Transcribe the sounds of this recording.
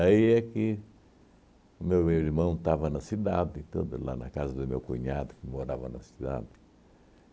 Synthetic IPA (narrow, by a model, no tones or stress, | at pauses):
aiɛkɪ | ʊmewiɾmɐ̃w̃t̪avɐnɐsid̪ad̪ɪt̪od̪ʊla̰nɐ̰kazɐd̪ʊmewkũɲad̪ʊkɪmoɾavɐnɐsid̪a̰d̪ɪ